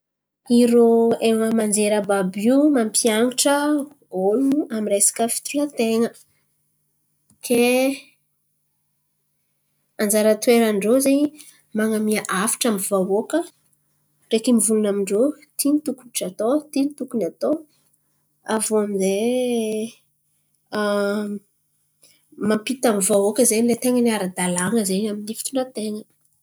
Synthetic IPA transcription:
iɾoewəmand͡zeɾəbabimampʰiaŋiʈ͡ʂə | oluamiɾesḁkəfi̥t̪ulət̪eŋə | k̪ʰe | and͡zaɾət̪ueɾaɳɖ͡ʐozeɲi | maŋamiaʔafi̥ʈ͡ʂamiv̥awokə | rekimivulunamiɳɖ͡ʐo | t̪init̪ukuiʈ͡ʂat̪ot̪init̪ukunat̪o | avonze | mampit̪amvaokəzeɲilet̪eŋənaɾad̪alaŋəzeɲaminifi̥t̪unat̪eŋə

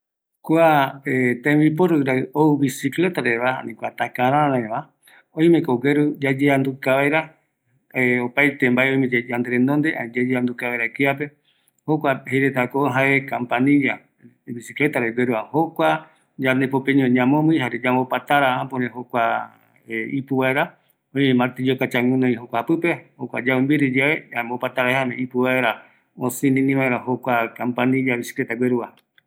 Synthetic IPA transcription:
kwaet̪ãmbip̬oɾɨɾaoβisikle̞t̪aɾeβaa̰nĩkʷat̪akaɾ̃ãaɾãẽβa | õĩmẽkoɡeɾud͡ʒad͡ʒeand̪ukaβajɾa | eopajt̪embaeoj̃mẽd͡ʒd͡ʒand̪e̞ɾẽnd̪ond̪eʔãd͡ʒed͡ʒeand̪ukaβajɾakiap̬e̞ | hokʷaheɾet̪akoɦaekãmpanĩja | βisiklet̪aɾaɡʷeɾuahokʷa | d͡ʒaɾnepopẽɲõɲãmõmɨ̃ɦaɾed͡ʒambopat̪aɾaãpõɾẽɦokʷa | eipɨβaeɾa | õɲmãt̪id͡ʒokat͡ʃaŋũnõĩɦokʷapɨpehokʷa̰d͡ʒaɨmbiɾid͡ʒeeambopat̪aɾaehamẽipɨwaeɾa | osĩnĩnĩβaeɾahokʷakãmpanĩd͡ʒaβisi̥klet̪aɡʷeɾua

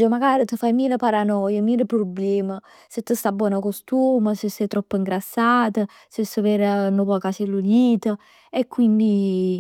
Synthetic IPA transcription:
əmaɡaːɾit̪əfajmiːləpaɾanɔjəmiːləpɾoblɛːmə | sət̪ːəst̪abːwɔːnəkost̪uːməsəsːɛjt̪ɾɔpːəiŋɡɾasːaːt̪ə | sesːəveɾənopɔkat͡ʃelːuniːt̪ə | ekːwind̪i

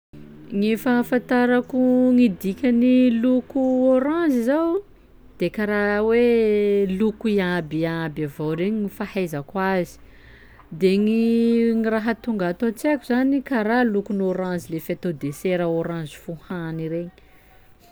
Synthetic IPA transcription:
ŋefəfãnt̪aɾakuŋid̪ikʲanilukuoɾãnd͡zizaw | d̪̥ekaɾawelukuiabiabavowɾeɲinifahajzakwazi̥ | d̪eŋiŋiraɦat̪uŋɡaat̪ot͡sekuzanikaɾalukunoɾãnzilefet̪od̪eseɾaoɾãnzi̥fuhaniɾeɲi

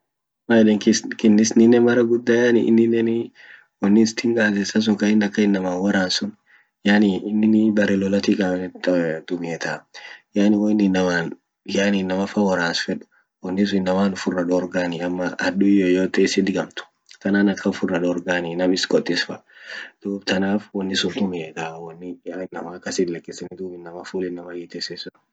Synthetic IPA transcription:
majɛᶑɛŋkɪskɪnːɪsnɪnːɛmɐɾɐɡʊd̪ːaːjanɪ̰ʔɪ̰nːɪnːɛn | wɔnːɪst̪ʰɪŋkʼaːsɛsɐs̬ʊŋkɐɪnːɐkːɐɪnːɐmaːnwɐɾaːnsʊn | janɪɪnːɪnɪbɐɾɛlɔlɐt̪ikʼant̪d̪̥ʊmɛt̪ajaːnɪwɔɪnːɪnːɐmaːn | jaːnɪnːɐmɐfɐwɐɾaːnsfɛᶑʊ̥ | wɐnːɪs̬ʊɪnːɐmaːnʊfʊrːɐᶑoɾɡaːnɪɐmːɐɐd̪ʊjoːjoːt̪eːsɪd̪ɪɡɐmt̪ʊ̥ | t̪ɐnaːnɐkʰːɐʊfʊrːɐᶑɔːɾɡaːnɪnɐmɪskʼɔt̪ʼːɪsfɐd̪̥uːbt̪ʰɐnaːfwɐnːɪsʊnd̪ʊmeːt̪aːwɐnːɪɪnːɐmaːkːɐsɪllɐkːɪsɪnɪd̪uːbɪnːɐmɐfuːlɪnːɐmɐjɛt̪esesʊᶑ

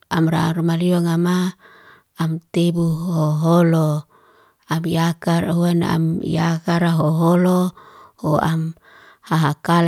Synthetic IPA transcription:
amɾa̰rmaliɔŋama | amt̪ebuoɦolo | amiakaɾaɦuanaa̰mḭakaɾaɦoɦolohoa̰m | haɦakal

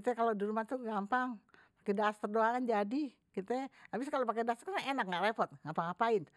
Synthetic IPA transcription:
t̪ɛkalodiɾumat̪uɡampaŋpakɛdast̪ərdoakand͡ʒadi | kit̪ɛabɪskalopakeɛdast̪k̪enak̚ŋɡaʔɾepɔt̪̚ŋapaŋapaɪn

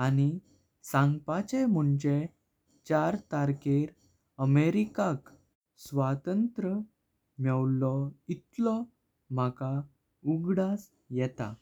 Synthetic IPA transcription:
añi | sãŋɡpat͡ɕem̤uɳd͡ʑe | t͡ɕaɾt̪aɾkeɾ | əmeɾikak | sʋat̪ənt̪ɾə | mjɛwlɔit̪lɔ | m̤aka | uɡɽas | jɛt̪a̰

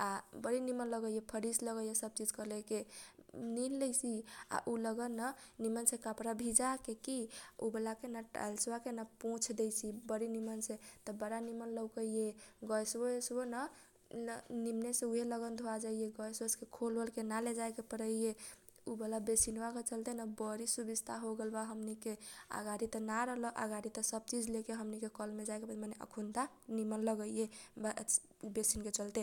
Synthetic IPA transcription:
abəɾinimənləɡəjepʰəɾisləɡəjesəb̚t͡ʃid͡ʒkəleke | ninlejsia̰ʔuləɡənːənimənsẽkapɾabʱid͡ʒakekiubelakenaʈa̰lswakenapõt͡ʃʰd̪ejsibəɾinimənsẽt̪ɔbəɾanimənləwkəijeɡɔjswəsonə | nimnesẽuɦeləɡənd̪ʱoad͡ʒaijeɡɔjsoskekʰolbəlkenaled͡ʒajkepəɾəije | ubelabesinbaket͡ʃəlt̪enabəɾisubid͡ʒt̪ʰaɦoɡelbaɦəmnikea̰ɡaɾit̪ənaɾəɦləʔa̰ɡaɾit̪əsəb̚t͡ʃid͡ʒlekeɦəmnikekəlmed͡ʒakepmaneʔə̰kʰunt̪a | nimənləɡəijeb | besinket͡ʃəlt̪e

